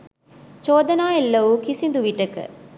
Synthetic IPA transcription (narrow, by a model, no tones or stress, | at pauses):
t͡ʃoːd̪ɐnaːelːɐʋukisind̪uʋiʈəkə̰